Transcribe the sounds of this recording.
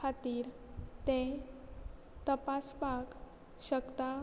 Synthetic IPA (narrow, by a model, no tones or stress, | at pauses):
at̪iːɾ | t̪ẽ | t̪əpaspak | ɕəkt̪a